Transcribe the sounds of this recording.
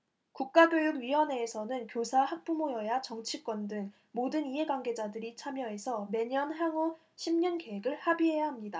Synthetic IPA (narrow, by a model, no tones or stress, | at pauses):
kuk̚k͈aɡjojuɡɥiwʌne̞ːsʰʌnɯnkjosʰahak̚p͈umojʌjat͡ɕʌŋt͡ɕʰik͈wʌndɯŋ | modɯniɦe̞ɡwaŋɡe̞d͡ʑadɯɾit͡ɕʰamjʌe̞sʰʌme̞ɲʌnɦaŋo | ɕʰimɲʌnke̞ɦe̞ɡɯɭhabiɦe̞jaɦamɲida